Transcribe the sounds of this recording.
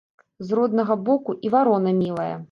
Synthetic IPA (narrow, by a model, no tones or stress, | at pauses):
zrɔd̪nɐɣɐbɔkuʔivaɾɔnɐmʲilˠɐjɐ̰